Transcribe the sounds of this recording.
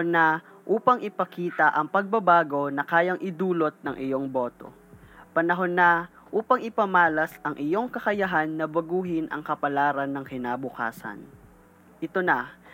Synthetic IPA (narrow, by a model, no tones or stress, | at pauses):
nɐ | ʔuːpɐŋʔɪpɐkiːt̪ɐʔɐŋpɐɡ̚bɐbaːɡo̞nɐkaːjɐŋʔɪd̪uːlo̞t̪̚nɐŋʔɪjoŋbo̞ːt̪o̞̰ | pɐnɐɦo̞nːɐ | ʔuːpɐŋɪpɐmaːlɐsʔɐŋʔɪjo̞ŋkɐkɐjɐɦanːɐbɐɡuːɦɪnʔɐ̰ŋkɐpɐlaːɾɐnːɐŋkɪnaːbʊka̰ːsɐ̰n | ʔɪt̪o̞nɐ